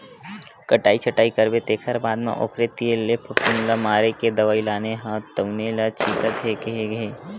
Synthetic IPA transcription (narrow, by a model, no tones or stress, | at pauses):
kəʈaːit͡ʃʰəʈaːikəɾbet̪eːkʰəɾbaːd̪mḛ̃ʔo̰ːkʰɾet̪ielepʰəpʊnlamaːɾeked̪ɐʋaːilaːneɦat̪əwnelat͡ʃʰiːt̪at̪ekeeɡeː